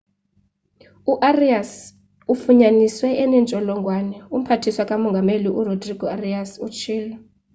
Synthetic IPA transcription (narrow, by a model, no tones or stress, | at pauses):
uʔarias | ufuɲaniswɛɛnɛnt͡ʃʼɔlɔŋɡʱwanɛum̩pʰatʰiswakʼamɔŋɡʱameliʔurodriɡ̥ʱɔariasut͡ʃʰiːlɔ